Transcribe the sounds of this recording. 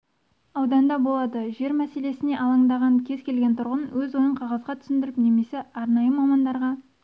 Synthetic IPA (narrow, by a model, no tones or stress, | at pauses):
ɑwd̪ɑnd̪ɑbo̞lˠɑd̪əʒe̞ɾmæse̞le̞sɪne̞ʔɑlˠɑŋd̪ɑʁɑŋkʲʰe̞zkʲʰe̞lɡʲent̪ʰʊɾʁənwɵzwo̞jəɴqʰɑʁɑzʁɑt̪ʰʏ̥sɪnd̪ɪɾɪpne̞me̞se̞ɑɾnɑjəmɑmɑnd̪ɑɾʁɑ